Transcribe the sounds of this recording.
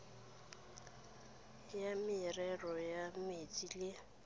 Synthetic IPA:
jamɪrɛrɔjametʼile

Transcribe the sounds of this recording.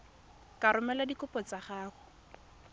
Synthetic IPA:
kaɾʊmɛladikʊpɔt͡saχaːχʊ

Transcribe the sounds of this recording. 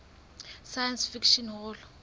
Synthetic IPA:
sajansfikʃɔnɦɔl

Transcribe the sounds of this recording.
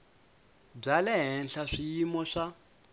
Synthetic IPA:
b͡ʐalɛɦɛnɬaʂijimɔʂa

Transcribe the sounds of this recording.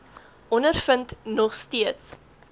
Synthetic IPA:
ʔɔnərfəntnɔχstiəts

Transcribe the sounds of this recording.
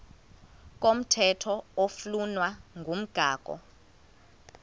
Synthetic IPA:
k̬om̩tʰɛtʰɔoflunwaŋʱum̩ɡ̥ʱaːk̬ʼɔ̰

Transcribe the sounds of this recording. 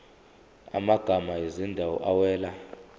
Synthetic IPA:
a̰maɡ̥ʱamajezindʱawɔ̰ʔawɛːla

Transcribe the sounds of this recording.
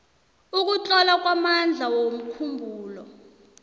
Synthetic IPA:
uk̬ut͡ɬʼɔlak̬ʼwamand͡ɮʱawom̩kʰumbʱuːlɔ

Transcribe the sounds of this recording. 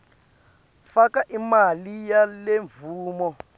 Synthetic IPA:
fakaʔimalijaleɱvuːmɔ

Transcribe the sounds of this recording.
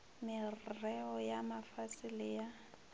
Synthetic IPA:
mɪrrɛɔjamafasɪlija

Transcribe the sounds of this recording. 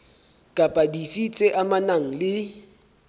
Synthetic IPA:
kʼapʼadifit͡sʼeʔamanaŋ̩lɪ

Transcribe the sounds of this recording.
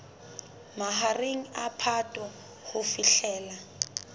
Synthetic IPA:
maɦareŋ̩apʰatʼɔ | hʊfiɬɛːla

